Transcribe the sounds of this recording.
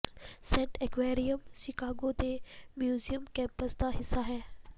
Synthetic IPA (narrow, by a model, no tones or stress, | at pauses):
sɛ̃ːɳʈekʋeːɾijəmʃɪkaːɡot̪emjuːzijəmkɛ̃ːmpəsd̪aɦɪsaɦɛː